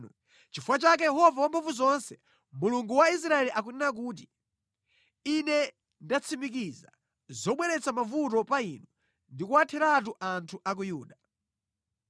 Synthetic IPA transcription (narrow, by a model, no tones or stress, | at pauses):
t͡ʃifuwat͡ʃak̬ɛjɛɦɔvawampʰaɱvuzɔnsɛ | muluŋɡuwais̬ɾaɛliʔak̬unɛnak̬uːt̬i | inɛ | ndat͡sʰimik̬iza̰ | zɔɓwɛɾɛt͡sʰamavutɔpainɔ | ndikuwatʰɛɾat̬uʔantʰuʔak̬ujuːɗa